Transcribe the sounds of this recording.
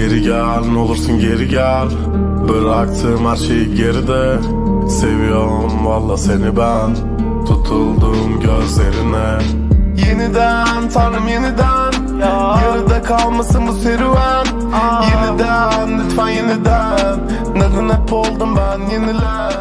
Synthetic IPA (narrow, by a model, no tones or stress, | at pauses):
jeɾiɡæ | lnolˠuɾsunɟeɾiɟæ | lʲ | biɾak̚t̪ʰɨmaɾt͡ʃʰe | ɟeɾid̪ɛ | sevijo | mwɑlˠːɑsenibæn | t̪ʰut̪ʰulˠd̪ɯmɡʲøzleɾɪnɛ | jenɪd̪æ | nt̪ʰɑɾɯmjenɪd̪æn | jeɾɪd̪ɛkʰɑlˠmasɯŋbuseɾiwæn | jenɪd̪ænːɪt̪fanjenɪd̪ænː | ezɪnɛpʰolˠd̪ɯmbænjenɪlæ